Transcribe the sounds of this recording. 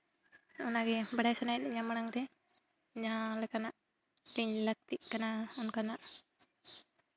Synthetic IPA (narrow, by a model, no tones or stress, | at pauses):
ɔnaɡɛbaɽajsanajɛɲamaɽaŋɾɛ | ɲalɛkanaʔ | liɲlək̚t̪iʔkanaɔnkanaʔ